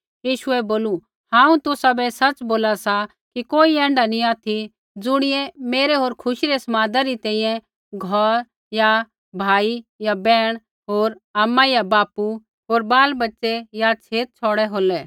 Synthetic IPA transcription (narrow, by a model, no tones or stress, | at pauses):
jiːʃʊɛboːlu | hãːũt̪ʊsabɛsɐt͡sboːlasa | kikoːiɛ̃ːɳɖanĩaːt̪ʰi | d͡zʊɽ̃ɪjɛ̃meːɾeɦoːɾkʰʊʃiɾɛsɐmaːd̪aɾit̪ɛ̃ːĩjɛ̃ | ɡʱɔɾ | ja | bʱaːijabɛːɽ̃ | ɦoːɾaːmːajabaːpu | ɦoːɾbaːlbɐtːsɛjat͡sʰeːt̪̚t͡ʃʰɔːɽɛɦoːlɛ